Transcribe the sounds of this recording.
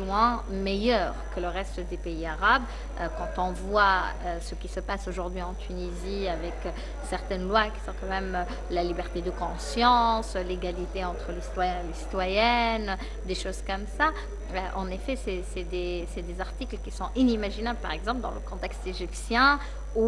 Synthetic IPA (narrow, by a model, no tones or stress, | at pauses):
wɛ̃ | mejœːʁkələʁɛst̪d̪epeiaʁab | økɑ̃t̪ɔ̃vwa | øsəkʲisəpasoʒuʁd̪ɥiɑ̃t̪ʰyniziavɛk | sɛʁt̪ɛnlwakʲi̥sɔ̃kɑ̃mɛmø | lalibɛʁt̪ed̪əkɔ̃sjɑ̃sleɡalit̪eɑ̃t̪χəlesi̥t̪wajɛ̃elesi̥t̪wajɛn | d̪eʃozkɔmsa | øʔɑ̃nefɛsɛsɛd̪e | sɛd̪ezaʁt̪iklkʲisɔ̃ʔinimaʒinabləpaʁɛɡzɑ̃p̬ld̪ɑ̰̃lə̰kɔ̃t̪ɛkst̪eʒipsjɛ̃ | u